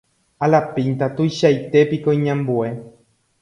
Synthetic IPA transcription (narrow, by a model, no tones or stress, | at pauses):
alapĩnt̪at̪ujʃajt̪e̞pikoĩɲãmbue̞